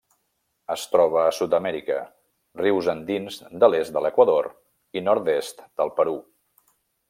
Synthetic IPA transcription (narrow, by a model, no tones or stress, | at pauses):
əst̪ɾɔβ̞əːsut̪əmɛɾikə̰ | riwzənd̪inzd̪əlest̪̚d̪ələkwəðoɾ | inɔɾt̪est̪d̪̥əlˠpəɾu